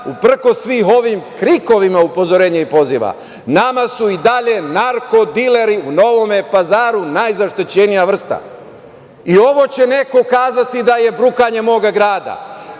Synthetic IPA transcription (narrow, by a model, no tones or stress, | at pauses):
upr̩ko̞sːʋiːɦo̞ʋiːmkɾiko̞ʋimaupo̞zo̞ɾeːɲaipo̞ziʋa̰ | namasuid̪aʎe̞naɾko̞d̪ile̞ɾiuno̞ʋo̞me̞pazaːɾunajzaʃt̪it͡ɕe̞nijaʋr̩st̪a̰ | io̞ʋo̞t͡ɕe̞ne̞ko̞kaːzat̪id̪aje̞bɾukaɲe̞mo̞ːɡaɡɾaːd̪a̰